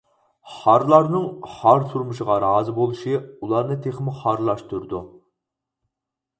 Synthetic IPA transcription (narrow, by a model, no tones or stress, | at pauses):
χɑɾlˠɑɾnɨŋhɑɾt̪ʰuɾmuʃəʁɑɾɑːzɨbolˠuʃiulˠɑɾnɨt̪ʰeχmɪχɑɾlˠɑʃt̪uɾd̪u